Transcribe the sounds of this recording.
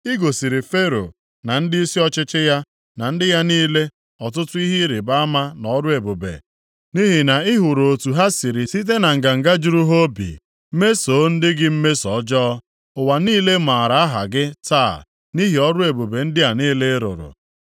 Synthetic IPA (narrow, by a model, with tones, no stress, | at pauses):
i˦ɡo˨si˨ɾi˨fe˦ɾo̰˨ | na˨n̩˦dɪ˦i˦si˦ɔ˦t͡ʃɪ˦t͡ʃɪ˦ja˦ | na˨n̩˦dɪ˦ja˦niː˦le˦ | ɔ˨t̬ʊ˦tʊ˦i˦ɦi˦ɾi˨ba˦a˦ma˦nɔ˨˦ɾʊ˦e˨bo˨bḛ˨ | ni˦ɦi˨na˨ɪ˦ɦʊ˨ɾo˨o˨tu˨ɦa˦si˨ɾi˨si˦t̬e˦na˨ŋ̩˨ɡa˨ŋ̩˨ɡa˦d͡ʒu˦ɾu˦ɦo˦bḭ˨ | m̩˦me˦so˨˦n̩˦dɪ˦ɡɪ˦m̩˦me˦sɔ˨˦d͡ʒɔː˦ | ʊ˨wa˨niː˦le˦ma˨ɾa˨a˦ɦa̰˨ɡɪ˦ta˦˨ | ni˦ɦi˨ɔ˦ɾʊ˦e˨bo˨be˨n̩˦dɪ˦ja˨niː˦le˦ɾʊ̰˨ɾʊ̰˨